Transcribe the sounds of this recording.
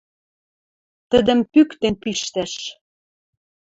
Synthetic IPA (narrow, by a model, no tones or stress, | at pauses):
t̪əd̪ə̆mpykt̪enpiʃt̪æʃ